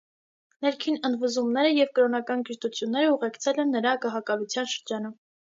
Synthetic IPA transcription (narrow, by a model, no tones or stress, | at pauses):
nɛɾkʰinənd̪vuzumnɛɾəjɛvkəɾɔnɑkɑnɡiʃt̪ut͡sʰjunːɛɾəuʁɛkʰt͡sʰɛlɛnːəɾɑɡɑɦɑkɑlut͡sʰjɑnʃəɾd͡ʒɑnum